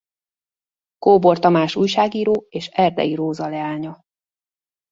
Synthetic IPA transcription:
koːbort̪ɒmaːʃuːjʃaːɡiːɾoːeːʃɛrd̪ɛ̰iɾoːzɒlɛaːɲɒ

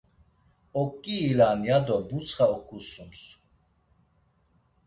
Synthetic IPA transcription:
ɔkʼːiːlanjad̪ɔbut͡sʰχaɔkʰʼusums

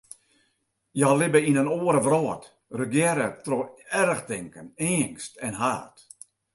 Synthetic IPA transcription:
jaːlɪbəinənoːəɾəʋrɔːət | rəɡjɛɾətroɛɾəxtɪŋkəneːŋstɛnɦaːt

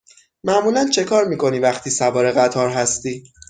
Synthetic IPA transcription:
mæʔmuːlænt͡ʃʰe̞kʰɒːɾmiːkʰo̞niːvæχt̪ʰiːsævɒːɾe̞ɣæt̪ʰɒːɾɦæst̪iː

